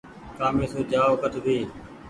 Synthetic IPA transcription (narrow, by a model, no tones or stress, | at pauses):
kaːmeːsoːd͡ʒaːoːkəʈ̪ʰbʱiː